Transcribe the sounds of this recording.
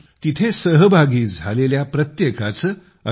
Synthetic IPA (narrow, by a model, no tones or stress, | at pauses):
t̪it̪ʰesəɦbʱaɡiːd͡zʱaleljapɾət̪jekat͡s | ə